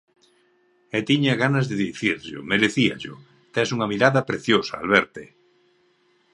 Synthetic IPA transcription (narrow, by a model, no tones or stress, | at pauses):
ɛt̪iɲaɣanɐzðeðiθiɾʎʊ̰meɾeθiɐ̰ʎʊ̰ | t̪ɛsuŋɐmiɾaðɐpɾeθjosɐa̰lβɛɾt̪e